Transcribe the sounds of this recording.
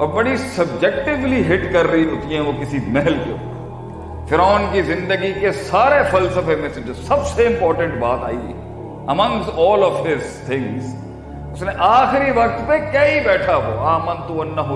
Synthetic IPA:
ɔːɾʋɐɽisɐb̚d͡ʒɛk̚ʈɪʋliɦɪʈkɐɾːɐiɦot̪iɦɛ̃ʋokɪsimɛɦɛlkeo | fɪɾaːnkizɪ̃nd̪əɡikesaːɾefɐlsəfemɛsɪ̃d͡ʒsɐbseɪ̃mpɔːɾʈə̃ɳʈbaːt̪a̰ːḭɛ̰ | ɐmɐ̃ŋsɔːlɔʋɦɪzt̪ʰɪ̃ŋz | ʊsneʔaːxɪɾiʋɐk̚t̪pekjɐibɛːʈʰaɦo̰ːaːmɐ̃nt̪uɐnːɐɦ

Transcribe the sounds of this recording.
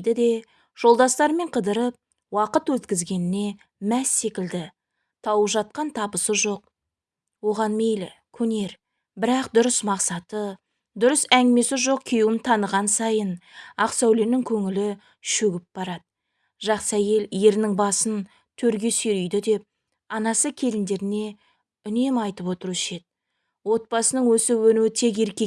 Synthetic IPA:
d̪ɪd̪e̞ | ʒ̥o̞lˠd̪ɑst̪ɑɾme̞ɴqʰəd̪əɾəp̚ | wɑqət̪wɵt̪kʲɪzɡʲe̞nɪne̞ | mæsːe̞kʲɪld̪ɪ | t̪ʰɑwəʒɑt̪̚qɑnt̪ʰɑbəsəʒo̞q̚ | wo̞ʁɑnme̞jlɪ̰kʲʰɵne̞ɾ | bɪɾɑqd̪ʊɾəsmɑqsɑt̪ə | d̪ʊɾəsæŋɡʲɪme̞sɪʒo̞q̚kʲʰejɪnt̪ʰɑnəʁɑnsɑjənɑqsæwle̞ɾnɪŋkʲʰɵŋɪlɪ | ʃɵɡʲɪp̚b̥ɑɾɑd̪̥ə | ʒɑqsæje̞lje̞ɾnɪŋbɑsən | t̪ʰɵɾɡʲe̞seɾijd̪ɪd̪e̞p̚ | ɑnɑsəkʲʰe̞lɪnd̪e̞ɾɪne̞ | ʏne̞mɑjt̪əpwo̞t̪əɾuɪʃe̞t̪̚ | wo̞t̪̚pɑsənəɴwɵsɪwɵnuwɪt̪ʰe̞k̬e̞ɾkʲe̞

